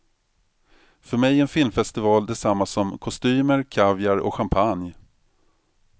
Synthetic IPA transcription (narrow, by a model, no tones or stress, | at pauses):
fœɾmɛjɾɛnfɪlmfɛst̪ɪvɑːld̪ɛsamːasɔmkʰɔst̪yːməɾkʰavjaɾɔ̰ɧampʰanj